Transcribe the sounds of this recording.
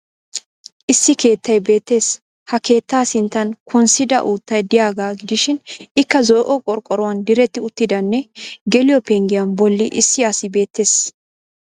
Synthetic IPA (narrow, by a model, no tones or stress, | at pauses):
ʔɪsːɪke̞ːt̪ːɐjbe̞ːt̪ːe̞ːs | hɐke̞ːt̪ːaːsɪnt̪ːɐnkʰɔnsɪd̪ɐ̰ʔuːt̪ːɐjd̪ɪjaːɡaːɡɪd̪ɪʃɪnɪkːɐzɔjʔɔkʼɔɾkʼːɔɾɔwɐnd̪ɪɾɛt̪ːɪʊt̪ːɪd̪ɐnːɛɡɛlɪjɔpɛŋɡɪjɐnbɔlːɪʔɪsːɪɐsɪbe̞ːt̪ːe̞ːs